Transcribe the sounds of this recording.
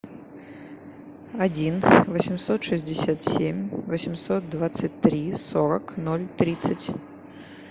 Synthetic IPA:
ɐdʲinvəsʲɪmso̞t̪ʂɨzʲdʲɪsʲat̪sʲemʲvəsʲɪmʲsot̪̚d̪vat̪sɨt̚ʲt̪ɾʲisoɾəknolʲt̪ɾʲit̪sɨtʲ

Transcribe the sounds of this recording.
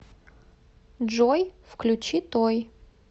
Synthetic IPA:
d͡ʒojfklʲut͡ʃit̪oj

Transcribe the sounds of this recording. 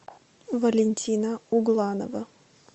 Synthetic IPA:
vɐlʲenʲt̪ʲʰinəʊɡlˠɑnə̰və

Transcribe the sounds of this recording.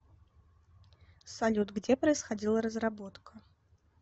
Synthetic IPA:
salʲut̪ɡd͡zʲɛpɾɐjsxad͡zʲilˠɐɾəzɾabɔt̪kʰə

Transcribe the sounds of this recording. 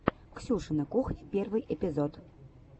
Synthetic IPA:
ksʲuʂɨnəkuxnʲpʲervɨjʔɛpʲɪzot̪

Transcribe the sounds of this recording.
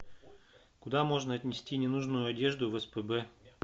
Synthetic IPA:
kʊd̪amo̞ʐnəɐt̪nʲɪsʲtʲinʲɪnuʐnʊjʊɐdʲeʐd̪ʊvɛspəbɛ

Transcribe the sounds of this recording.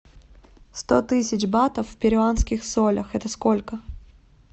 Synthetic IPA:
st̪ot̪ɨsʲɪt͡ɕbat̪əfːpʲɪɾʲɪanskʲɪxsolʲəxɛt̪əskolʲkə

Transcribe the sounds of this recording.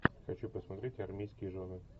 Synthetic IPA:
xɐt͡ɕupəsmɐt̪ɾʲetʲɐrmʲejskʲɪjʐonɨ

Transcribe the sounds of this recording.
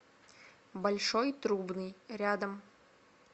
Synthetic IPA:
bɐlʲʂojt̪ɾubnɨjɾʲad̪əm

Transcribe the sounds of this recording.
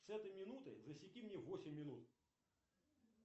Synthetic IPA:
sɛt̪ɨmʲinut̪ɨ̰zɐsʲikʲimnʲivɔsʲimʲːinut̪̚

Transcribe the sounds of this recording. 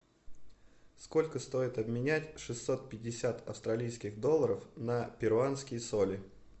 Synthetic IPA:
sko̞lʲkəst̪o̞ɪt̪ɐbmʲɪnʲætʲʂɨsːo̞t̪̚pʲɪdʲːɪsʲat̪ɐfst̪ɾɐlʲijskʲɪxd̪o̞lˠːəɾəfnəpʲɪɾʊanskʲɪjəso̞lʲɪ

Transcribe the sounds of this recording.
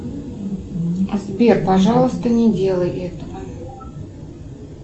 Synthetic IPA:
ɐzbʲerpɐʐɑlˠəst̪ənʲɪdʲe̞lˠəjʔɛt̪əvə

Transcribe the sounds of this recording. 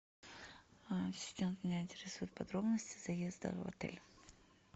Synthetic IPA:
sʲɪ̥t͡ʃʲent̪mɪnʲaɪnʲtʲɪɾʲɪsujʊt̪̚pɐd̪ɾo̞bnəsʲtʲɪ̥zɐjezd̪ə̰ɾ̰vɐ̰t̪ḛlʲ

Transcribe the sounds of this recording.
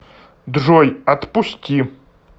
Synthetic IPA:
d̪ʐɔjɐt̪pʊsʲtʲi

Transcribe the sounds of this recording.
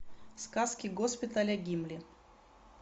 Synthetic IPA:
skaskʲɪɡospʲɪt̪alʲɐɡʲimlʲɪ

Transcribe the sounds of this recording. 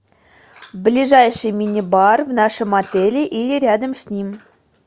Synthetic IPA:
blʲiʐajʂəmʲinʲɪbɑrvnɑʂəmat̪ʲelʲɪʔilʲɪɾʲad̪əmsʲnʲim

